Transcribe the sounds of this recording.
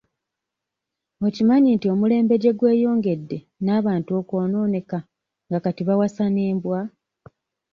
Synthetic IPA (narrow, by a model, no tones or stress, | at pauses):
ocimaɲintio̞mule̞ːmbe̞ɟe̞ɡwe̞ːjo̞ːŋɡe̞dːe̞ | naːβaːntuo̞ko̞ːno̞ːne̞ka | ŋɡakatiβawasaneːmbwa